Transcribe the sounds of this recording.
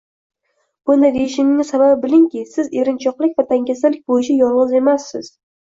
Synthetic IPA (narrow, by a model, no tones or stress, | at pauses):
b̥ʊnd̪ajd̪eɪʃɪnɪnɪsababɪbɪlɪŋkʲɪsɪze̞ɾɪnt͡ʃʰɒqlˠɪk̚ʲvat̪ʰaŋkʲasalɪk̚ʲbojɪt͡ʃʰajɒlˠʁɨze̞masːɪz̥